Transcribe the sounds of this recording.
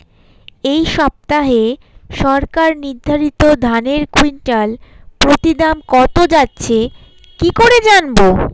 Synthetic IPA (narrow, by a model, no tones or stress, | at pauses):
ejʃɔb̚t̪aɦe | ʃɔɾkaɾniɾd̪ʱːaɾit̪od̪ʱaneɾkwiɳʈal | pɾot̪id̪amkɔt̪od͡ʑatːɕʰe | kikoɾed͡ʑanbo